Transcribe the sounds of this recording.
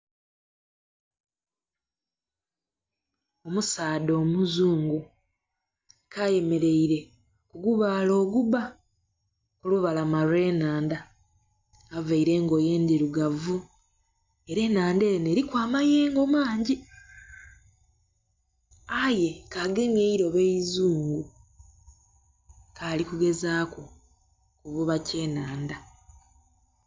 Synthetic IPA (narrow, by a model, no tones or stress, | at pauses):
o̞musaːdoːmuzuːŋɡu | kʰaje̞me̞ɾe̞iɾe̞ | kuɡuβaːlo̞ːɡuba | kuluβalamaɾwe̞ːnaːndaː | vaiɾe̞ːŋɡo̞ːje̞ːndiɾuɡavu | e̞ɾe̞ːnaːndeːne̞ːɾikwaːmaje̞ːŋɡo̞maːɲɟi | aje̞kaɡemeiɾo̞βeizuːŋɡu | kaːlikuɡe̞zaːko̞ | kuβuβace̞ːnaːnda